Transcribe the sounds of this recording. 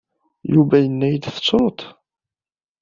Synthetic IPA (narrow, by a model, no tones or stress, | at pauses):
juvæjənːæjəd̪θə̥t͡sːɾot̪